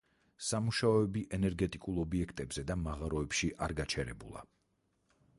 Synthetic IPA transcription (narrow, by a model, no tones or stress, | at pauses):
samuʃaɔɛbiʔɛnɛɾɡɛt̪ʼikʼulˠɔbiɛkʰt̪ʼɛbz̥ɛd̪amaʁaɾɔɛpʃiʔaɾɡat͡ʃʰɛɾɛ̰bulˠa̰